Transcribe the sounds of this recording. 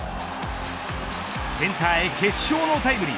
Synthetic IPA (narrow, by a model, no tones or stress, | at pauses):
sent̪ʰaekʰeɕonot̪ʰajbɯɾḭ